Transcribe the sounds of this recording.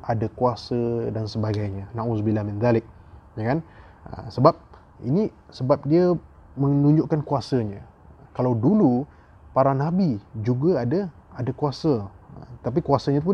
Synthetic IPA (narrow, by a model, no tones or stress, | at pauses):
ʔadakuasədansəbaɡajɲanãʔusbilamɪ̃nd̪alɪk̚ | jkan | ə̰səbap̚ | ḭnisəbap̚diə | mənũɲd͡ʒʊʔkankuasəɲã | kalawdulu | paɾanabid͡ʒuɡaadaadakuasəət̪ap̬ikuasəɲapʊ